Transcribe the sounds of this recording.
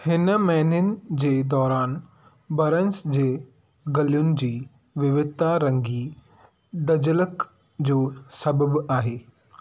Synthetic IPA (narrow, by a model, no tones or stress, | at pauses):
hɪnmɛɦnənɪ̆d͡ʑeːd̪ɔːɾaːn | bɐɾənsd͡ʑeː | ɡɐlijʊnɪ̆d͡ʑiː | ʋɪʋɪt̪aɾɐ̃ŋɡi | d̪ɐd͡ʑələk | d͡ʑoːsɐbəbaːɦeː